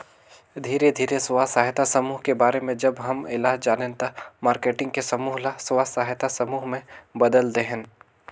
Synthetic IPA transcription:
d̪ʱiːɾed̪ʱiːɾeswaːsaːɦjt̪asɐmuːɦkebaːɾemẽd͡ʒɐbɦɐmɪlaːd͡ʒaːnent̪amaːɾkeːʈɪ̃ŋɡ̚kesɐmuːɦlaswaːsaːɦjt̪asɐmuːɦmẽbɐd̪əld̪eɦɛ̃n

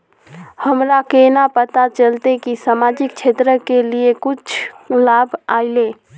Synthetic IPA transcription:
həmɾakenapət̪at͡ʃəlt̪ekisamad͡ʒik̚t͡ʃʰet̪ɾəkeliekut͡ʃʰlabʱaile

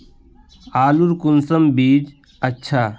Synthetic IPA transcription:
aːluɾkunsɐmbiːd͡ʒ | ətːʃʰaː

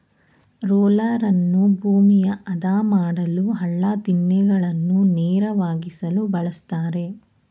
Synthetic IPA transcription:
ɾoːlɐɾɐnːubʱuːmijɐʔɐd̪aːmaːɽɐluɦɐɭːat̪inːɛɡɐɭɐnːunɛːɾɐʋaːɡisɐlubɐɭɐst̪aːɾe̞

